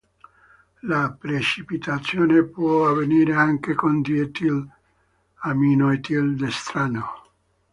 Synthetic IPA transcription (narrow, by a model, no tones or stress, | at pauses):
lapɾet͡ʃipit̪at̪sjoːnepwɔaveniːɾeaŋkekond̪iet̪il | aminoet̪ild̪est̪ɾano